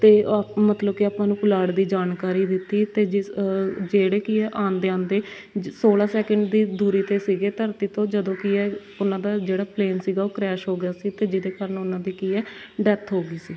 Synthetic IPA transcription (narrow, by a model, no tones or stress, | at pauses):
t̪eːmət̪ləb̚kɪaːpãːnũːpʊlaːɽd̪iːd͡ʒaːnkaːɾiːd̪ɪt̪ːiːt̪eː | d͡ʒeːɽeːkɪɛːʔãːnd̪eːãːnd̪eː | soːlaːsɛːkəɳɖd̪iːd̪uːɾiːt̪eːsiːɡeːt̪əɾt̪iːt̪õːd͡ʒəd̪õːkɪɛː | ʊnãːd̪aːd͡ʒeːɽaːpleːnsiːɡaːoːkɾɛːʃɦoːɡɪaːsiːt̪eːd͡ʒɪd̪eːkəːɾənʊnãːd̪iːkiːɛː | ɖɛːt̪ʰɦoːɡiːsiː